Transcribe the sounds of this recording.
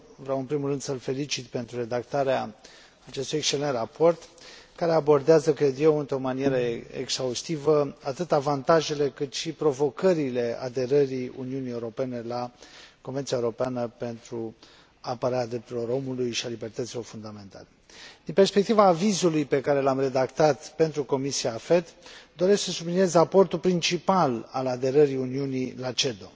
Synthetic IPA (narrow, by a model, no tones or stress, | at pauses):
vɾeawɨnpɾimulrɨnd̪səlfe̞lit͡ʃit̪pe̞nt̪ɾure̞d̪akt̪aɾea | at͡ʃe̞st̪ujekst͡ʃe̞le̞nt̪rapo̞rt̪kaɾe̞abo̞rd̪eazəkɾe̞d̪je̞wɨnt̪ɾo̞manije̞ɾəḛksaust̪ivəat̪ɨt̪avant̪aʒe̞le̞kɨt̪ʃipɾo̞vo̞kəɾile̞a̰d̪e̞ɾəɾiṵniunije̞uɾo̞pe̞ne̞lako̞nvent̪siaeuɾo̞peanəpe̞nt̪ɾu | apəɾaɾʲad̪ɾe̞p̚t̪uɾilo̞ɾo̞mulujʃialibe̞rt̪ət̪silo̞rfund̪ame̞nt̪a̰le̞ | d̪inpe̞rspe̞k̚t̪ivaːvizulujpe̞kaɾe̞lamre̞d̪akt̪at̪pe̞nt̪ɾuko̞misiaːfe̞t̪d̪o̞ɾesksəsublinie̞zrapo̞rt̪ulpɾint͡ʃipalalad̪e̞ɾəɾiuniunilat͡ʃe̞d̪o̞